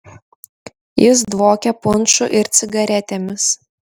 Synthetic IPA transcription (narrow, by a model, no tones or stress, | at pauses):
jɪs̬d̪ʋoːkʲɛpʊnˑʃʊʔɪɾt̪sʲɪɡɐɾʲɛt̪ʲeːmʲɪs